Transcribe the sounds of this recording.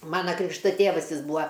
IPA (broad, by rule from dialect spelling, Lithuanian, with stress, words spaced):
ˈmɑːnɐ ˈkrʲɪkʃtɐ ˈtʲeːʋɐs ˈjɪs ˈbuːɐ